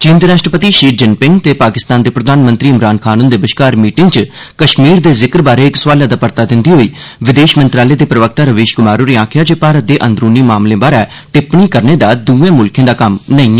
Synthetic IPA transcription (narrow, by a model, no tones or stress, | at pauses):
t͡ʃĩːnd̪ɾaːʃʈɾəpət̪iːʃiːd͡ʒɪnpɪŋɡt̪eːpaːkɪst̪aːnd̪eːpɾəd̪ʱaːnmə̃nt̪ɾiːɪmɾaːnkʰaːnũnd̪eːbəʃkaːɾmiːʈɪ̃ŋɡt͡ʃ | kəʃmiːɾd̪eːzɪkɾbaːɾeːɪksʋaːljãːd̪aːpəɾt̪aːd̪ɪ̃nd̪iːɦoːiːʋɪd̪eːʃmənt̪ɾaːleːd̪eːpɾəʋək̚t̪aːɾəʋeːʃkʊmaːɾuːɾiːãːkʰɪjaːd͡ʒeːpaːɾət̪̚d̪eːʔə̃nd̪ɾuːniːmaːmlẽːbaːɾɛː | t̪ɪpɳiːkəɾneːd̪aːd̪uːʋẽːmʊlkʰẽːd̪aːkəmnəĩː